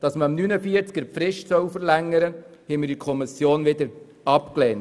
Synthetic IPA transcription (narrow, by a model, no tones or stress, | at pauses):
d̥ɑsməmnynəfiəɾt͡skəɾfɾɪʃtsœwfəɾlæŋːəɾə | hɛɪmɪɾdikʰɔmɪsjoːnʋɪd̪əɾ | ɑpkleːn